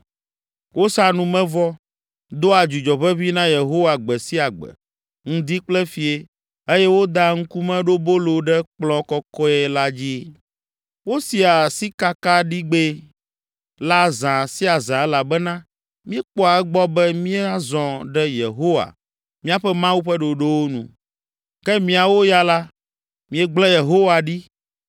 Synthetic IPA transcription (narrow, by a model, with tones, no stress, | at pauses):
wʔo˦sa˦nũ˨mɛ̃˦vɔ˦ | d̪o˦a˨d͡ʒu˨d͡ʒɔ˨βɛ˦vi˦nã˦je˨ɦo˦wa˨ɡ͡bɛ˨si˦a˨ɡ͡bɛ̰˨ | ŋ̩̃˦d̪i˦k͡plɛ˦fi˨e˦ | e˦jɛ˦wo˦d̪a˦ŋ̩˦ku˦mɛ̃˦ɖo˦bo˦lo˨ɖɛ˦k͡plɔ̃˦kɔ˦kɔ˦ɛ˦la˦d͡ʑi˦ | wo˦si˨a˨si˦ka˦ka˦ɖi˦ɡ͡be˦ | la˦zã˨si˦a˨zã˨ɛ˦la˨bɛ˦nã˦ | mĩ˦ɛ˦k͡pɔ˦a˨ɛ˦ɡ͡bɔ˦bɛ˦mĩ˦e˦a˦zɔ̃˨ɖɛ˦jḛ˨ɦo˦wa̰˨ | mĩ˦a˨ɸɛ˦mã˦wu˦ɸɛ˦ɖo˨ɖe˦wo˦nṵ̃˨ | kɛ˦mĩ˦a˨wo˦ja˦la˦ | mĩ˦ɛ˦ɡ͡blɛ̃˦je˨ɦo˦wa˨ɖi˦